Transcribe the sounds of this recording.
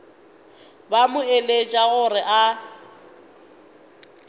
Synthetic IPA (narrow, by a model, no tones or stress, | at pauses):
bamʊelet͡ʃʼaɣʊrɪʔa